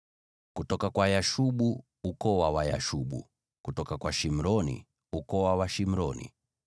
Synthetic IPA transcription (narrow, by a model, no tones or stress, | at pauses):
kutɔkakwajaʃuɓu | ukɔwawaja̰ʃuɓṵ | kutɔkakwaʃim̩ɾɔnḭ | ukɔwawaʃim̩ɾɔnḭ